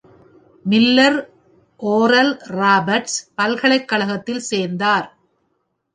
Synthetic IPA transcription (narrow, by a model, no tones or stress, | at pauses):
mɪlːɐɾ | ʔoːɾɐlraːbɐɾʈspɐlɣɐɭɐɪkːɐɭɐɣɐt̪ːɪlseːnd̪aːɾ